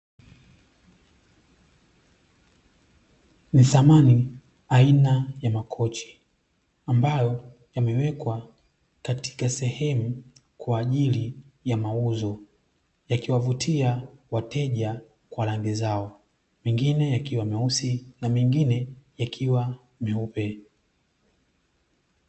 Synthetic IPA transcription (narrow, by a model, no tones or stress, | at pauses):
niθamani | ainajamakʰɔt͡ʃi̥ | ambajɔ | jamɛwɛkwa | kati̥kasɛhɛmu | kwaːʄilijamauzɔ | jakiwavutʰiawatɛʄa | kwalaŋɡizaɔ | mɛŋɡinɛjakiwamɛusinamɛŋɡinɛjakʰiwa | mɛupɛ